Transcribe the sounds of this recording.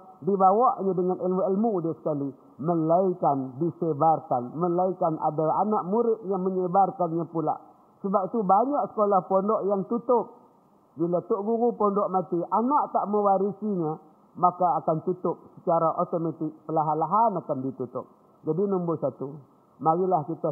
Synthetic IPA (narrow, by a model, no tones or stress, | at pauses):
dibawaʔɲadəŋanilmuilmudasə̥kali | məlaikandisebarkanməlaikanʔa̰daa̰naʔmuɾɪt̪̚jaŋməɲəbarkanɲapula̰ʔ | səbap̚it̪ubaɲaʔsə̥kolahpondɔʔjaŋt̪ut̪ʊp̚ | bilat̪ʊʔɡuɣupɔndɔʔmat̪iʔanaʔt̪aʔməwaɾisiɲa | makaːkant̪ut̪ʊp̚sə̥t͡ʃaɾaʔot̪omat̪ɪk̚pəlaɦanlaɦanakandit̪ut̪ʊ̰p̚ | d͡ʒadinəmbʊsat̪u | maɣilahkit̪a